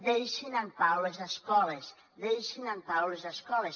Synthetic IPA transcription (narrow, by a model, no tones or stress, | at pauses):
ðejʃinanpawlezðaskɔles | d̪ejʃinanpawlezðaskɔles